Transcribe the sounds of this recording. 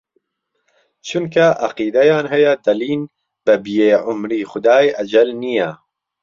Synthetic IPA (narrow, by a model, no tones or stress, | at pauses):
t͡ʃʰʊnkʰɐʔɐqiːd̪ɐjaːnɦɐjɛd̪ɐliːn | bɨbijeːʕʊmɾiːxʊd̪aːjɐd͡ʒɐlnijɐ